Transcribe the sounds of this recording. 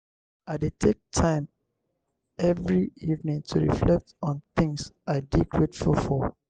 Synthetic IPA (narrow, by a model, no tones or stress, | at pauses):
aɪdetʰek̚tʰãɪ̃m | ɛvɹiivnĩŋtʰuɹḭflɛk̚tɔ̃nθɪ̃ŋsʔaɪdikʰɹetfulfɔ